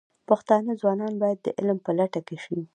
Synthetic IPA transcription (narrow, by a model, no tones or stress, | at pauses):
paxt̪ɑnəzwɑnɑnbɑjad̪ːəʔɪlmpəlaʈakeʃi